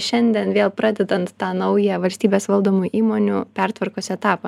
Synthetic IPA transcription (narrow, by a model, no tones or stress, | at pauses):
ʃʲɛnʲd̪ʲiɛnʋʲeːlˠpɾɑːd̪ʲɛd̪ɐnt̪ːɑːnɐʊjɛʋɐlʲsʲt̪ʲiːbʲeːsʋɐlˠd̪oːmuːʔiːmoːnʲuːpʲɛɾt̪ʋɐɾkoːsʲɛt̪ɑːpɐ